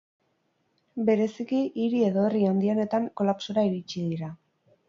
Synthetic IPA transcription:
be̞ɾe̞sikiʔiɾie̞ðo̞eriand̪io̞ne̞t̪aŋko̞lapsoɾaiɾit͡ʃiðiɾa

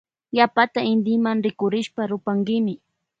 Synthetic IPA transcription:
japat̪aɪnd̪ɪmaŋɾɪkʊɾɪʃpaɾʊpaŋɡɪmɪ

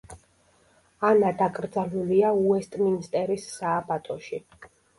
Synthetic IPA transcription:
anad̪akʼɾd̪zaluliauɛst̪ʼminst̪ʼɛɾisːaːbat̪ʼɔʃi

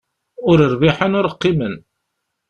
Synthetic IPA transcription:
ʊɾəɾviħənʊɾəqːimən

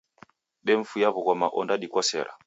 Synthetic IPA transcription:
ɗɛɱ̩fujaβɔɣɔmaʔɔndaɗikwɔsɛ̰ɾa̰

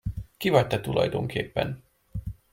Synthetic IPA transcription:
kivɒc̚t̪ɛt̪ulɒ̰jd̪o̞ŋkʰeːpːɛ̰n

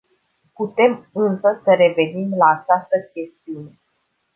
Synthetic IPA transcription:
put̪e̞mɨnsəsəɾe̞ve̞nimlaːt͡ʃast̪əkʲe̞st̪iune̞

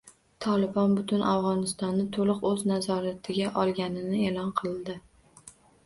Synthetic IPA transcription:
t̪ʰɒlɪbɒnbʊt̪ʰʊnʔafʁɒnɪst̪ɒnːɪt̪ʰolˠɨqɵznazɒɾat̪ʰɪɡʲaʔɒlˠɡʲanɪnɪelɒnqʰɨld̪ɪ

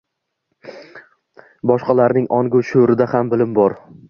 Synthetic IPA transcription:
bɒʃqɑlaɾnɪŋɒŋɡʊʃoɾɪd̪ahambɪlɪmbɒɾ

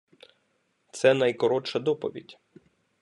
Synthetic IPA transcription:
t̪sɛnɐjkɔɾɔt͡ʃɐd̪ɔpɔ̰ʋʲḭdʲ

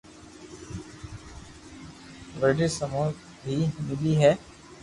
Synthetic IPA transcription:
ʋəɖisəmuː | bʱiːmɪliɦɛː

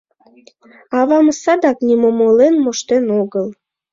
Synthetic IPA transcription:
ɑβɑməsɑd̪ɑknimomolenmoʃt̪enoɣəl

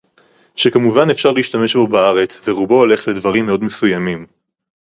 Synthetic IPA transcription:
ʃekamuvanefʃaʁleiʃtame̞ʃbo̞baaʁe̞t͡sveʁubo̞ːle̞χle̞dvɐʁimːeo̞dmesujamim

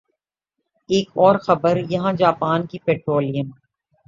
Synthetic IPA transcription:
eːkɔːɾxɐbəɾjɐɦãd͡ʒaːpaːnkipɛːʈɾoːlijən

